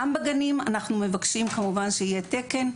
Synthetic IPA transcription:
ambaɡanima̰naχnume̞vakʃimkamuvanʃeije̞te̞ke̞n

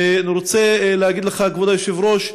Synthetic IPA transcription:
aniɾot͡seleaɡid̪leχaɡvod̪ajoʃevɾoʃ

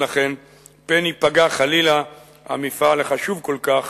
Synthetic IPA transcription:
laχe̞n | penipaɡaχalila | a̰mifaleχaʃuvko̞lkaχ

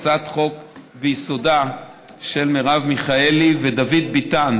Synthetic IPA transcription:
t͡sat̪χo̞kbejiso̞da | ʃelmeʁavmiχaelived̪avid̪̚bit̪an

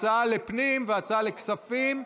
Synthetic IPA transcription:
t͡saalepnimveat͡saaleksafim

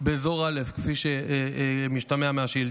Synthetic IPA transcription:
bezoʁalefkfiʃe | miʃt̪ameameaʃil

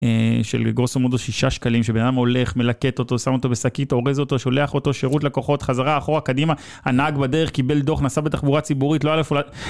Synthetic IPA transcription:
eʃḛlɡosomod̪oʃiʃaʃkalimʃebenad̪amo̞le̞χme̞lake̞t̪o̞to̞samo̞t̪obesakit̪o̞ʁezo̞t̪o̞ʃo̞le̞aχo̞t̪o̞ʃeʁutlako̞χo̞t̪χazaʁaːχo̞ʁakadima | anaɡbadeʁeχkibe̞ld̪o̞χnasabet̪aχbuʁat͡sibuʁitloalefola

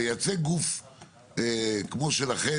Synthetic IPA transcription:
jat͡seɡuf | ekmoʃelaχe

